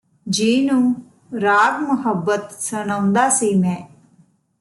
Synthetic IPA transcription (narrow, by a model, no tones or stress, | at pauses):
d͡ʒiːnũː | ɾaːɡməɦəbːət̪səñəʊ̃nd̪aːseːmɛ̃ː